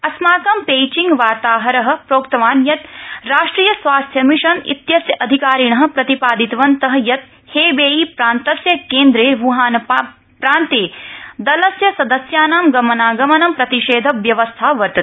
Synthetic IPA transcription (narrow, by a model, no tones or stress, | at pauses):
ɐsmaːkɐmpeːt͡ʃĩŋɡʋaːɾt̪aːɦɐɾɐɦɐ̆pɾoːkt̪ɐʋaːnjɐt̪ɾaːʂʈɾiːjɐsʋaːst̪ʰjɐmiʂɐnḭt̪jɐsjɐʔɐd̪ʱikaːɾiɳɐɦɐ̆pɾɐt̪ipaːd̪it̪ʋɐnt̪ɐɦɐjɐt̪̚ | heːbeːipɾaːnt̪ɐsjɐkeːnd̪ɾeːʋuɦaːnɐ | pɾaːnt̪eːd̪ɐlɐsjɐsɐd̪ɐsjaːnaːmɡɐmɐnaːɡɐmɐnɐmpɾɐt̪iʃeːd̪ʱɐʋjɐʋɐst̪ʰaːʋɐɾt̪ɐt̪